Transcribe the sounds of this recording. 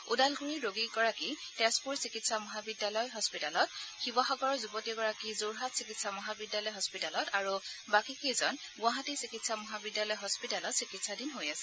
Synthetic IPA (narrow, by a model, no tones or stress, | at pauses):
udalɡuɹiɹoɡiɡɔɹakitɛspuɹsikitsamɔɦabidjalɔjɦɔspitalɔt̚xiwaxɔɡɔɹɔzubɔtiɡɔɹakizoɹɦatsikitsamɔɦabidjalɔjɦɔspitalɔtaɹubakikejzɔn | ɡʊ̃aɦatisikitsamɔɦabidjalɔjɦɔspitalɔtsikitsadinɦojasɛ̥